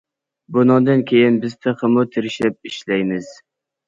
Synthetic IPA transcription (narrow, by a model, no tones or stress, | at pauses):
bʊnɑd̪ɑnkʲʰejɪnbɪzt̪ʰɨqʰəmʊt̪ʰɪɾɪʃlɛp̚ɪʃlæjmɪz̥